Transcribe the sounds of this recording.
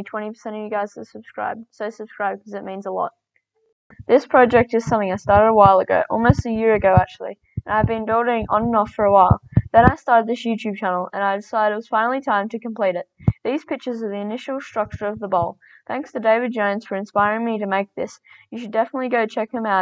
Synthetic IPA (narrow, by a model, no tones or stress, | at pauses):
tʰw̥ɛ̃ɾ̃ipʰə̥˞sɛ̃ɾ̃ʌvjɨɡaɪz̥təsəb̥skɹa̰ɪb̚soʊsɨb̥skɹaɪb̚d̚kʰʌzɨt̚mĩnzəlɔ̰t̪̚ | ðɪspʰɹ̥ɑd͡ʒɛk̚tɨz̥sʌ̃mθɪ̃ŋaɪstɑɹɾɨɾəwaɪlˠəɡo̰ʊʔɔ̰lˠmoʊstɨjɪɹɨɡoʊæk̚t͡ʃʉl̩ˠḭ | ɨ̃naɪvbɨ̃ndɔɾɪ̃ŋʔə̃nnɔffə˞əwaɪlˠðɨ̃ɾ̃aɪstɑɹɾɨd̪̚ðɪsjʉtʰʉb̚t͡ʃʰænl̩ˠə̰̃naɪdɨsaɪɾɨt̚wʌz̥fãɪ̃nl̩ˠitʰãɪ̃mtʰɨkɨ̃m̩pʰl̥iɾɨt̪̚ðiz̥pʰɪk̚t͡ʃə˞zə˞ðiɨnɪʃl̩ˠstɹ̥ʌk̚t͡ʃə˞ʌvðəbɔʊlˠ | θæ̃ŋkstʰɨdeɪvɨd̚d͡ʒãɪ̃nsfə˞ɨ̃nspaɪɹɪ̃ŋmiɾɨmeɪk̚ðɪsjɨʃɨdɛfənətˡliɡoʊt͡ʃʰɛkhɨ̃maʊ